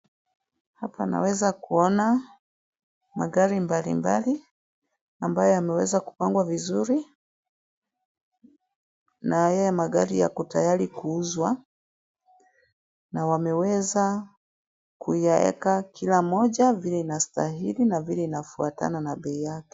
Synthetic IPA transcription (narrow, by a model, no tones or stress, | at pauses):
hapana̰wɛzakuɔna | maɠaɾimbalḭmba̰li | ambajɔjamɛwɛzaku̥paŋɡwavizuɾi | najɛjamaɠaɾija̰kutajalikuuzwa | nawamɛwɛza | kujaɛ̰kakʰilamɔʄavilɛinastaɦilinavilɛinafuata̰nanaɓɛijakɛ̥